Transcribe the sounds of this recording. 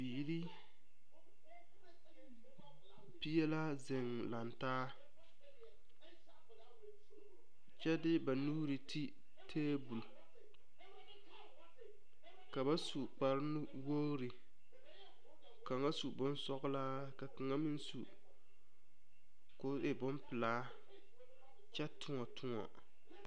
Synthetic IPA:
biː˨ɾi˦ | pi˦ɛ˦la˦zɪ˨ŋ | la˨ntaː˦ | t͡ʃɛ˦dɪ˦ba˨nuː˦ɾi˨tʰi˦ | tʰeː˦bu˨l | ka˨ba˦su˨k͡pa˨ɾɪ˦nʊ˦ | wo˦ɾi˨ | ka˨ŋa˦su˨bʊ˦n˦sɔ˦ɣlaː˦ | ka˨kɨ˨ŋa˦mi˦n˦su˨ | kʊ˦ʔɪ˨bʊ˦mpɪ˨laː˦ | t͡ʃɛ˦tʰʊ˦ŋɔ˨tʰʊ˦ŋɔ̰˨

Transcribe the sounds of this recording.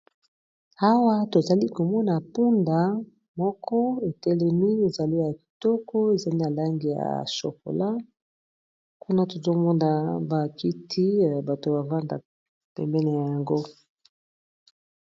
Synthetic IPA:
a˦wa˦to˨za˨li˦ko˨mɔ˦na˨pu˦nda˨ | mɔ˦kɔ˦e˨tɛ˦lɛ˦mi˦e˨za˨li˦ja˨ki̥˨tɔ˦kɔ˦e˨za˨li˦na˨la˦ŋɡi˨ja̰˨so̰˨ko̰˨la˦ | ku˦na˦to˨zo˦mɔ˦nda˨ba˨ki˦tʰi˦˨ba˨to˨ba˨va˦nda̰˨ | pɛ̰˨mbɛ˦ne˨ja˨ja˨ŋɡo˦

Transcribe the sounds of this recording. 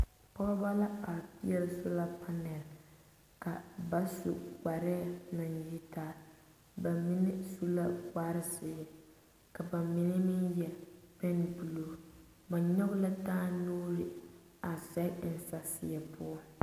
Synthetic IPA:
pɔ˦bba˦la˦a˨pi˦ɛ˦lsʊ˦la˦pʰa˦nɛ˨l | ka˨ba˦sṵ˨wa˨ɾɪ˦˨na˨nji˦taː˦ | ba˨mɪ˦nɛ˦su˦la˦wa˦ɾɪ˦sɪ˨˦ɪ˦ | ka˨ba˨mɪ˦nɪ˦mɪ˦njɛ˨pɛ˦n˦bu˨lo˨ | ba˨ɲɔ˦bʊ˦la˦taː˦noː˦ɾɪ˨ | a˨sɛ˦˨n̩˨sa˨sɪ˨jɛ˨pʰʊ˦ɔ˦

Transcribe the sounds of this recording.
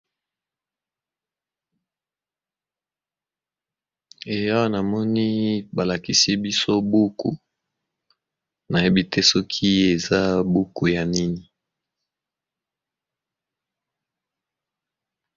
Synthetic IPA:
e˨ja˦wa˦na˨mɔ˦ni˦ba˨la˨ki˦si˦bi˦so˦bu˦kṵ˨ | na˨je˦bi˦te˦sɔ˦kʰi˦e˨za˦bu˦ku˨ja˨ni˦ni˨

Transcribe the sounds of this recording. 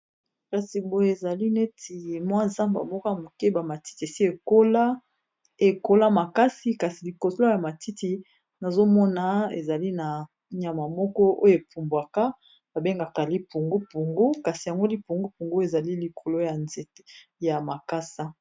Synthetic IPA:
ka˨si˨bo˨je˦e˨za˨li˦ne˦tʰi˨mwa˦nza˦mba˨mɔ˦kɔ˦ja˨mo˨ke˦ba˨ma˨ti̥˦ti˨e˨si˦e˨ko˦la˦ | e˨ko˦la˦ma˨ka˦si˦ka˨si˨li˨ko˨so˦lo˦ja˨ma˨tʰi˦ti˨ | na˨zo˦mɔ˦na˨ḛ˨za˨li˦na˨ | ɲ˨a˨ma˨mɔ˦kɔ˦o̰˦jo˨e˨pu˨mbwa˨ka˦ | ba˨be˦ŋɡa˨ka˨li˦pu˨ŋɡo˦po˨ŋɡo˦ka˨si˨ja˨ŋɡo˦li˨po˨ŋɡo˦po˨ŋɡo˦e˨za˨li˦li˨kʰo˨lo˦ja˨nze˨˦ja˨ma˨ka˦sa˦

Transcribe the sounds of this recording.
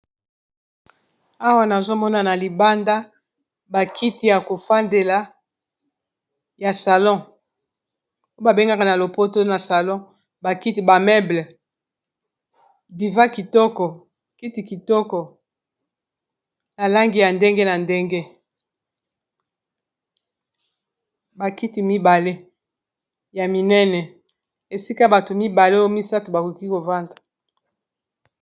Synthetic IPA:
a˦wa˦na˨zo˦mɔ˦na˨na˨li˨ba˦nda˦ | ba˨kʰi˦ti˨ja˨ko˨fa˦nde˨la˨ | ja˨sa˨lɔ̃˦ | o˦ba˨be˦ŋɡa˦ka˨na˨lo˨po˦to˦na˨sa˨lɔ̃˦ | ba˨ki˦ti˨ba˨mɛ˦blɛ˨ | di˨va˦ki˨tɔ˦kɔ˨ | ki˦ti˨ki˨tɔ˦kɔ˨ | na˨la˦ŋɡi˨ja˨nde˦ŋɡe˦na˨nde˦ŋɡe˦ | ba˨ki˦ti˨mi˦ba˨le˦ | ja˨mi˨nɛ˦nɛ˨ | e˨si˦ka˦ba˨to˨mi˦ba˨le˦o˦mi˦sa˦to˨ba˨ku˨ki˦ko˨va˦ndḁ˨

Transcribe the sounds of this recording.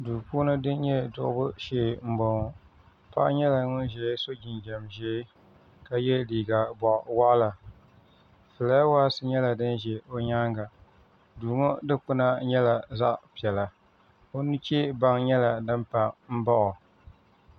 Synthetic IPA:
duː˨puː˦nɨ˦dɨ˦n˦ɲɛ˦dʊ̰˨ʔʊ̰˦bʊ˦ʃeː˦˨m̩˦bɔ˨ŋɔ˨ | pa̰˦ʔɲɛ˦la˨ŋʊ˦n˦ʒɛ˨˦so˦d͡ʒi˨nd͡ʒɛ˨mʒɛ˦ | ka˦jɛ˦liː˨ɡa˨bɔ˨ʔwa˦ʔla˨ | fɨ˨la˦waː˦sɨ˦ɲɛ˦la˨dɨ˦nʒɛ˨o˦ɲaː˦ŋɡa˨ | duː˨ŋo˦dɨ˦k͡pʊ˦na˦ɲɛ˦la˨za˦ʔpi˨ɛ˨la˨ | o˦nu˦t͡ʃe˦ba˦ŋɲɛ˦la˨dɨ˦mpa˨m̩˦bɔ˦ʔʊ˨

